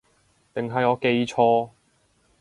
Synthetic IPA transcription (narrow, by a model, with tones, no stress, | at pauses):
t̪ɪ˨ŋɦɐ˨jɔː˨˧ke˧jt͡ʃʰɔː˧